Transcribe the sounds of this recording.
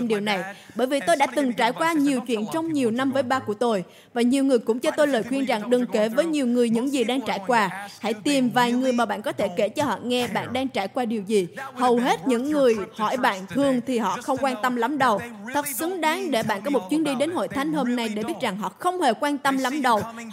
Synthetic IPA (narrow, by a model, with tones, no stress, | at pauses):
ɗi˨˩əwna˨˩jɓəː˧˩jvi˨˩t̪o˧jɗa̰ː˧˥t̪ɨ˨˩ŋt͡ɕaː˧˩jkwaː˧ɲi˨˩əwt͡ɕwḭ˧˨ənt͡ɕɔ˧wŋ͡mɲi˨˩əwna˧mvəː˨˦jɓaː˧ku˧˩ət̪o˧j | vaː˨˩ɲi˨˩əwŋɨ˨˩əjkʊ̰˧˥ŋ͡mt͡ɕɔ˧t̪o˧jləː˨˩jxwi˧ənza˨˩ŋɗɨ˨˩ŋke˧˩vəː˨˦jɲi˨˩əwŋɨ˨˩əjɲɨ̰˧˥ŋzi˨˩ɗaː˧ŋt͡ɕaː˧˩jkwaː˧ha̰˧˥jt̪i˨˩mvaː˨˩jŋɨ˨˩əjmaː˨˩ɓa̰ː˧˨nkɔ˨˦t̪ʰe˧˩ke˧˩t͡ɕɔ˧hɔ̰˧˨ŋɛ˧ɓa̰ː˧˨nɗaː˧ŋt͡ɕaː˧˩jkwaː˧ɗi˨˩əwzi˨˩hə˨˩wɦe˦˥t̚ɲɨ̰˧˥ŋːɨ˨˩əjhɔ˧˩jɓa̰ː˧˨nt̪ʰɨ˨˩əŋt̪ʰi˨˩ɦɔ̰˧˨xə˧wŋ͡mkwaː˧nt̪ə˧mla˨˦mɗə˨˩wt̪ʰə˨˩t̚sɨ˨˦ŋɗaː˨˦ŋɗe˧˩ɓa̰ː˧˨nkɔ˨˦mo˨˩t̚t͡ɕwi˨˦ənɗi˧ɗe˨˦nho̰˧˨jt̪ʰa˨˦jŋ̟ho˧mna˧jɗe˧˩ɓi˦˥ət̚za˨˩ŋɦɔ̰˧˨xə˧wŋ͡mhe˨˩kwaː˧nt̪ə˧mla˨˦mɗə˨˩w